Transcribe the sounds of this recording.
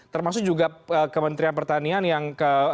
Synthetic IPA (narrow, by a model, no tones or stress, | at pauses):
t̪ərmasʊk̚d͡ʒuɡaəkəmənt̪ɾianpərt̪anianjaŋkə